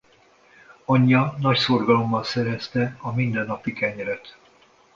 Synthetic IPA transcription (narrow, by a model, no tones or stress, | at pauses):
ɒɲːɒnɒcso̞rɡɒlo̞mːɒnsɛɾɛst̪ɛɒmind̪ɛnːɒpikɛɲɛɾɛt̪